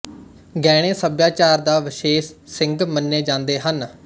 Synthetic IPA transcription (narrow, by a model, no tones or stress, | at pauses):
ɡɛːɽ̃eːsəbjaːt͡ʃaːɾd̪aːʋɪʃeːʃsɪŋɡmənːeːd͡ʒãːnd̪eːɦən